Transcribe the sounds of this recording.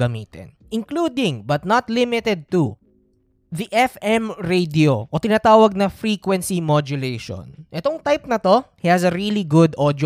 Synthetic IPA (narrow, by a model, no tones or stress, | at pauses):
ɐmḭːt̪ɛ̰nʔɪŋkluːd̪ɪŋbɐt̪̚nɐt̪lɪmɪt̪ɛd̪̚t̪u | ðɐʔɛfɛmɹejd̪ioʔot̪ɪnat̪aːwɐɡ̚nɐfɾiːkwɛnsimod͡ʒʊlejʃo̰nʔɛt̪oŋt̪ajp̚nɐt̪o̞hihɐsɐɾiliɡʊd̪ʔod̪j